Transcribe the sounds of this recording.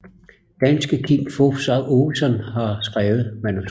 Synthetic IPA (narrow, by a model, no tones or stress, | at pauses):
d̥ænsɡ̥əkʰimfofsɑ̈osɒ̽nhɑ̈sɡ̥ʁaːʊð̞̩ˠmænus